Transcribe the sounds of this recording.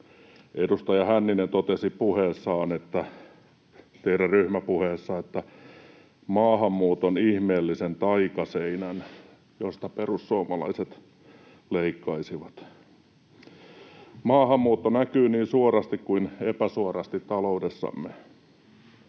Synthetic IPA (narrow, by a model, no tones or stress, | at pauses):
ʔedust̪ɑjɑhænːinent̪ot̪esipuheːsːɑːnet̪ːæ | t̪eiɾæryhmæpuheːsːɑet̪ːæ | mɑːhɑmːuːt̪onihmeːlːisent̪ɑikɑseinæn | jost̪ɑperussuomɑlɑ̰iset̪ | leikːɑisiʋɑt̪ | mɑːhɑmːuːt̪ːonækyːniːnsuorɑst̪ikkuinepæsuorɑst̪it̪t̪ɑloudesːɑ̰mːe